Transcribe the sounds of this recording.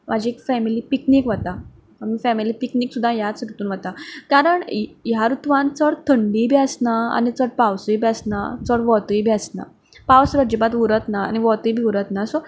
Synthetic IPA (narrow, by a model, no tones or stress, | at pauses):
mʔad͡ʑiekfɛmiliːpikniːkʋat̪a | amiːfɛmiliːpikniːksud̪ʱːajasɾut̪uːnʋat̪akaɾəɳjaɾut̪ʋãnt͡səɽt̪ʰəɳɖibsnaa̰nit͡səɽ̚pawsujbʱasna̰t͡səɽʋɔt̪jbʱasna̰ | pawsɾəd͡ʑəbat̪ʋuɾət̪naa̰niʋɔt̪əjbʱiuɾət̪nasɔ